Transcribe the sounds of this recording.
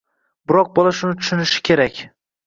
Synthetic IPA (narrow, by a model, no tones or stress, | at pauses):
bɪɾɒq̚bɒlˠaʃʊnɪt̪ʰʊ̥ʃʊnɪʃɪ̥kʲʰe̞ɾakʲ